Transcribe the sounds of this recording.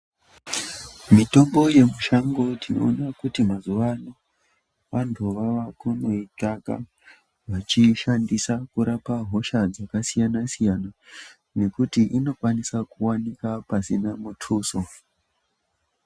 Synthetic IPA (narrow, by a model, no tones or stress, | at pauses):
mito̞mbo̞je̞muʃaŋɡo̞tino̞̰ːnakutimazuʋano | ʋantʰuʋaʋakuno̞itaka̰ | ʋat͡ʃiʃandisakuɾapaɦo̞ʃad͡zakasijanasijana | ne̞kutiʔino̞kwanisakuwanikapasinamutʰuːso